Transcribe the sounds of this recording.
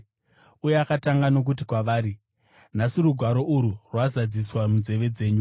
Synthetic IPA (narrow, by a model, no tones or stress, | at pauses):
ujeakataŋɡano̞k̬ut̬ikwaʋaːɾi | nasiɾuɡʱwaɾo̞ʔuɾurwazad͡ziswamunze̞ʋe̞d͡ze̞ːɲu